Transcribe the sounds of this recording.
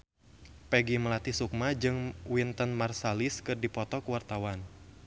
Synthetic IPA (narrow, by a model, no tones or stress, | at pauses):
pɛɡiməlat̪isuk̚mad͡ʒɨŋwint̪ənmarsalɪskɨrdipɔt̪ɔkəwart̪awan